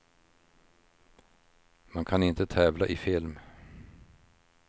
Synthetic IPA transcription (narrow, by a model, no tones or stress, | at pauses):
mankʰanɪnt̪ət̪ʰɛːvlaʔɪfɪlm